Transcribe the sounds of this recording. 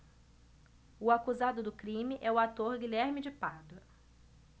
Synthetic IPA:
ʊakuzad̪ʊd̪ʊkɾĩmɪʔɛʊat̪oɾɡiʎɛɾmɪd͡ʒɪpad̪ɐ

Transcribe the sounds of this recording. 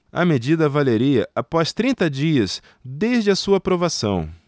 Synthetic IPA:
ɐ̰med͡ʒid̪ɐvaleɾiɐʔapɔst̪ɾĩnt̪ɐd͡ʒiɐs | d̪ezd͡ʒɪɐsuɐpɾovasɐ̰̃w̃

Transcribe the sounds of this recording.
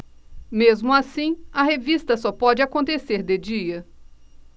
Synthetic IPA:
mezmʊasĩɐɦevist̪ɐsɔpɔd͡ʒɪakõnt̪eseɾd̪ed͡ʒiɐ

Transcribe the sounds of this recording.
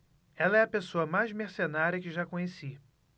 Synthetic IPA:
ɛlɐɛɐpesoɐmajzmeɾsenaɾʲiɐkɪʒakõɲesi

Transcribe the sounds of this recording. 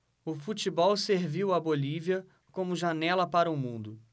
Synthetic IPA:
ʊfut͡ʃibɔwseɾviwɐboliviɐ | kõmʊʒanɛlɐpaɾɐʊmũnd̪ʊ

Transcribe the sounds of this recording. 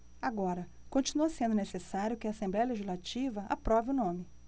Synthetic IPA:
aɡɔɾɐ | kõnt͡ʃinuɐsẽnd̪ʊnesesaɾʲjʊkɪaːsẽmblɛjɐleʒizlat͡ʃivɐʔa̰pɾɔvɪʊnõmɪ

